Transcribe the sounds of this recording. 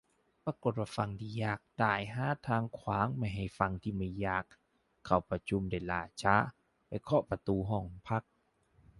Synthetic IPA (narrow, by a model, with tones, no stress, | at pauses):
pa˧ko˨˩t̪̚waː˧˩fa˧ŋt̪ʰiː˧˩jaː˧˩k̚t̪aː˧˩jɦaː˧˥˨t̪ʰaː˧ŋkʰwaː˨˦ŋma˧˩jɦa˧˨˩jfa˧ŋt̪ʰiː˧˩ma˧˩jjaː˧˩kʰː | a˧˩wpa˧t͡ɕʰu˧˥˨mda˧˩jlaː˧˩t͡ɕa˧˥ | pa˧˩jkʰɔ˧˦pa˧t̪uː˧ɦɔː˧˩ŋpʰa˦˥˩k̚